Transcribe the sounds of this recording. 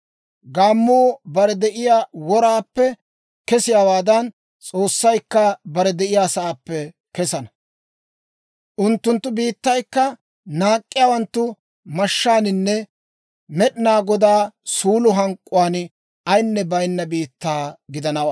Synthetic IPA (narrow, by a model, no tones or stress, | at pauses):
ɡaːmːoːbɐɾɛd̪ɛʔɪjaːwɔɾaːpːɛ | kɛsɪjaːwaːd̪ɐn | t͡sʼoːsːɐjkːɐbɐɾɛd̪ɛʔɪjaːsɐʔaːpːɛ | kɛsɐnɐ | ʔʊnt̪ːʊnt̪ːʊbiːt̪ːɐjkːɐ | naːkʼːɪjaːwɐnt̪ːʊ | mɐʃːaːnɪnːɛ | mɛɗɪnaːɡɔd̪aːsuːlʊɦɐŋkʼːʊwaːn | ɐjnːɛbɐjnːɐbiːt̪ːaːɡɪd̪ɐnɐwaː